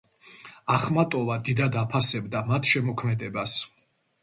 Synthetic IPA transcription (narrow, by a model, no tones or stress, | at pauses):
aχmat̪ʼɔvad̪id̪ad̪apʰasɛbd̪amat̪ʰʃɛmɔkʰmɛd̪ɛbas